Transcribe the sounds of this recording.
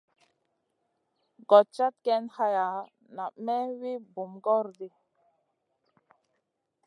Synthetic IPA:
ɡɔ˨t̚t͡ʃa˦t̪̚kɛ˦nha˦ja˨ | na˨mɛ˦wi˦bu˨mɡɔ˦ɾdi˦

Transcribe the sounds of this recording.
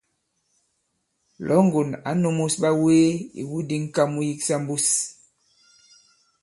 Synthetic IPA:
lɔ˨˦ŋ˦ɡo˨na̰˨˦no˦mu˦sɓa˦weː˦ḭ˨wu˦di˦ŋ̩˦ka˦mu˦ji˦ksa˦m˦bu˦s

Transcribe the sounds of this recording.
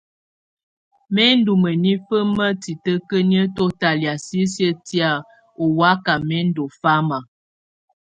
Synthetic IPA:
mɛ˦n˦du˨mə˨ni˦fə˦mə˦ti˨tə˦kə˦njə˦to˦ta˨lja˨si˦sjə˦ti˦a˦˨ | o˨wa˦ka˨mɛ˦n̩˦do˨fa˦ma˨

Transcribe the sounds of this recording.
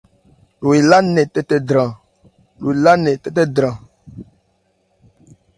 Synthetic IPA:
lo˨i˨la˦nɛ˨tɛ˦tɛ˦dɾã˨ | lo˨i˨la˦nɛ˨tɛ˦t̬ɛ˦dɾã˨

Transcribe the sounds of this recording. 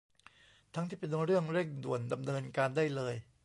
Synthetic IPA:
t̪ʰa˦˥ŋt̪ʰiː˥˩pe˧nɾɯ˥˩əŋɾe˥˩ŋdṵ˨˩ənda˧mnɤː˧nkaː˧ndaː˥˩jlɤː˧j

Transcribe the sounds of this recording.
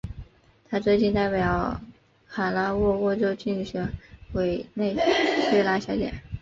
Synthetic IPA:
t̪ʰa˥t͡swe˥˧ɪt͡ɕi˥˧nt̪a˥˩ɪpjɑ˨˩ʊ | kʰa˨˩la˥wɔ˥˧wɔ˥˩ʈ͡ʂo˥ʊt͡ɕy˥˩ɕɥɛ˧˥nxwe˨˩ɪne˥˧ɪɕɥɛ˥˧la˥˩ɕjɑ˧˥ʊt̪jɛ̰˨˩˦n

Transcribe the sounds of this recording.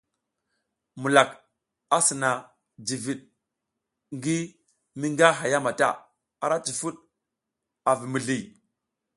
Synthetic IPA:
mu˨la˨k | a˦si˨na˨ | d͡ʒi˨vi˨ɗ | ŋɡi˦ | mi˦ŋɡa˦ɦa˨ja˦ma˨ta̰˦˨ | a˨ɾa˦t͡ʃi˨fu˦ɗ | a˨vi˨mi˨ɮi˨

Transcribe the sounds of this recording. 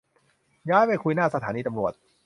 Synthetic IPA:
jaː˦˥jpa˥˩jkʰu˧jnaː˥˩sa˧t̪ʰaː˩˦niː˧t̪a˧mɾu˨˩ət̪̚

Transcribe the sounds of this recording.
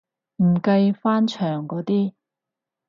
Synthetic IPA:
m̩˨˩kɐ˧jfaː˥nt͡ʃʰœː˨˩ŋkɔː˨˥t̪iː˥

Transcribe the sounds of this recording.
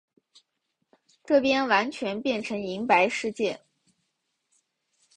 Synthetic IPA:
ʈ͡ʂɤ˥˩pjɛ˥nwa˧˥nt͡ɕʰɥɛ˧˥npjɛ˥˩nʈ͡ʂʰɤ˧˥ŋi˧˥ŋpa˧˥ɪʂɻ̩˥˧t͡ɕjɛ˥˩

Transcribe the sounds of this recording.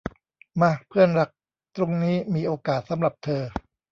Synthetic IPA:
ma˧˩pʰɯ˥˩ənɾa˦˥k̚ | t̪ɾo˧ŋniː˦˥miː˧ʔoː˧kaː˨˩t̪̚sa˩˦mɾa˨˩p̚t̪ʰɤː˧

